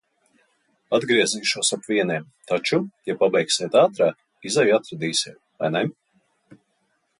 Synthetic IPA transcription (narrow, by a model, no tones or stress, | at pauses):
ad̪ɡɾiɛziːʃuɔsapviɛnʲiɛm | t̪at͡ʃujapːabɛjksiɛt̪aːt̪ɾaːk | izɛjat̪ɾad̪iːsʲiɛt̪̚vajnɛ